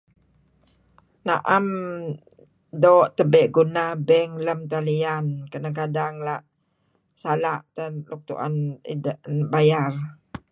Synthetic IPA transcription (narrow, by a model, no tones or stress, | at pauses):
naʔam | doʔt̪əbɛʔɡunabɛŋləmt̪alijankənak̬adaŋlaʔ | salaʔt̪əluk̚t̪ṵʔa̰nḭdəbajar